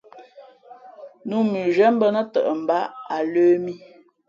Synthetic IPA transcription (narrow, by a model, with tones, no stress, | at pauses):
nu˦mi˨ʒɛ˦m̩˦bə˦nə˦tə̰˨ʔə˨m̩˨ba˦a˨løː˦mi˦